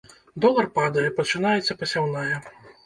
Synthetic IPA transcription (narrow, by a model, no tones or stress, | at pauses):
d̪ɔlˠɐrpad̪ɐjɛpɐt͡ʂɨnajɛt̪sʲɐpɐsʲawnajɐ